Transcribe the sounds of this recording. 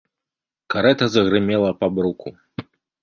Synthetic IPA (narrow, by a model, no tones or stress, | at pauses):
kaɾɛt̪ɐzɐɣɾɨmʲɛlˠɐpɐbɾukʰu